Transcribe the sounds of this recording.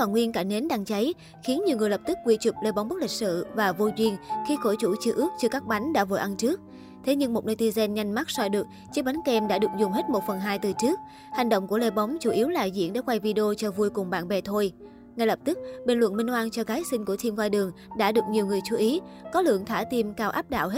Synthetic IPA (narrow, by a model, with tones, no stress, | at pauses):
faː˧˩ŋwi˧ənkaː˧˩ne˨˦nɗa˧ŋt͡ɕa˨˦j | xi˨˦nɲi˨˩əwŋɨ˨˩ələ˨˩p̚t̪ɨ˦˥k̚kwḭ˧t͡ɕu˨˩p̚le˧˩ɓɔ˨˦ŋ͡mmɓk̚lï˨˩k̟̚sɨ̰˧˨vaː˨˩vo˧jzwi˧ənxi˧xo˧˩jt͡ɕṵ˧˩t͡ɕɨ˧ʔɨ˦˥k̚t͡ɕɨ˧kaː˦˥k̚ɓa˨˦ŋ̟ɗa̰ː˧˥vo̰˧˩jʔa˧nt͡ɕɨ˦˥ək̚ | t̪ʰe˨˦ɲɨ˧ŋmo˨˩t̚na˧jt̪i˧zɛ˧nɲa˧jŋ̟ma˦˥t̚sɔ˧jɗɨ˨˩ək̚t͡ɕi˨˧˥ɓa˨˦nkɛ˧mɗa̰ː˧˥ɗɨ˨˩ək̚zʊ˨˩ŋ͡mɦe˦˥t̚mo˨˩t̚fə˨˩nɦaː˧jt̪ɨ˨˩t͡ɕɨ˦˥ək̚ | ha˨˩jŋ̟ɗo̰˧˨ŋ͡mku˧˩əle˧ɓɔ˨˦wŋ͡mt͡ɕu˧˩ʔi˨˦əwla̰ː˨˩zḭ˧˥ənɗḛ˧˩kwa˧jvi˧ɗe˧o˧t͡ɕɔ˧vu˧əjkʊ˨˩ŋ͡mɓa̰ː˧˨nɓɛ˨˩t̪ʰo˧j | ŋa˧jlə˨˩p̚t̪ɨ˦˥k̚ɓe˧˩nlwə̰˧˨nɓï˧ŋ̟hwaː˧nt͡ɕɔ˧ɣaː˨˦jsï˧ŋ̟ku˧˩ət̪ʰi˧mvwaː˧jɗɨ˨˩əŋɗa̰ː˧˥ɗɨ˨˩ək̚ɲi˨˩əwŋɨ˨˩əjt͡ɕu˧˩ʔi˨˦kɔ˨˦lɨ̰˧˨əŋt̪ʰaː˧˩t̪i˧mkaː˧wʔa̰ː˦˥p̚ɗa̰ː˧˨wɦe˦˥